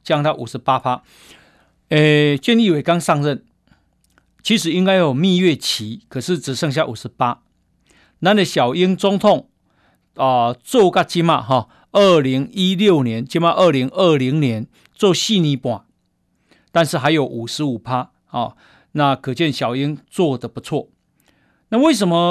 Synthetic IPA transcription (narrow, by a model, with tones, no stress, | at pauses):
t͡ɕja˥˧ŋt̪a˥˨ʔu˨˩ʂ̩˨˦pa˦pʰa˦ | e˨˩t͡ɕjɛ˥˧ni˥˨we˨˩ɪka˦ŋsa˥˧ŋɻə˥˨n | t͡ɕʰi˧˥ʂ̬ɻ̩˨˩i˦˥ŋka˦ɪjo˨˩mĩ˥˧ɥɛ˥˧t͡ɕʰi˨˦kʰə˨˩ʂ̩˥˩t͡s̩˨˩ʂə˥˧ŋɕja˥˨ʔu˨˩ʂ̩˨˦pa˦ | nã˦nə˨ɕja˨˩ʊi˦˥ŋt͡sɔ˦ŋt̪ʰɔ˥˨ŋ | ə˨t͡so˥˧ka˥˩t͡ɕi˥˦ma̰˥˧ɦɔ˥˨ | ə˥˧˩li˨˦ŋi˦ljo˥˩ʊnjɛ˨˦nt͡ɕi˥˦ma˥˧ʔə˥˧li˧˦ŋə˥˩li˧˦ŋnjɛ˧˦n | t͡sɔ˥˧ɕi˥˨nĩ˧˦pwa˨˩ | t̪a˥˧nʂɻ̩˥˨˩ɦa˧˦ɪjo˨˩ʊʔu˨˩ʂɻ̩˨˧˥u˨˩pʰa˦ | hɔ˥˨˩ | na˥˧kʰɤ˨˩t͡ɕjɛ˥˨nɕja˨˩ʊi˦˥ŋt͡swɔ˥˧d̪ə˨pu˨˦t͡sʰwɔ˥˩ | na˥˧we˥˩ɪʂ̬ə˧˦nmə˧